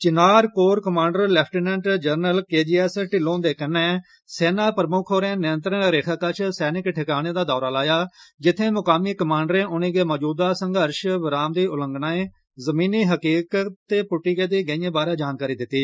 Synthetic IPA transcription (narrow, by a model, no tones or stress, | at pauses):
t͡ʃɪnaːɾkoːɾkəmãːɳɖəɾlɛːpʰʈiːnɛ̃ːɳʈd͡ʒəɾnəlkeːd͡ʒiːɛːsʈɪlõːd̪eːkənːɛː | seːnaːpɾəmʊkʰoːɾẽːnɪə̃nt̪ɾənɾeːkʰəkət͡ʃʰsɛːnɪkʈʰɪkaːñeːd̪aːd̪ɔːɾaːlaːjaːd͡ʒɪt̪ʰːẽːmʊkaːmiːkəmãːɳɖɾẽːʔʊniːɡeːmɔːd͡ʒuːd̪aːsəŋɡəɾʃʋɪɾaːmd̪iːʊlə̃ŋɡnaːẽː | zəmiːniːɦəkiːkəːeːpʊʈːiːɡeːd̪iːɡəĩjẽːbaːɾẽːd͡ʒaːnkaːɾiːd̪ɪt̪ːiː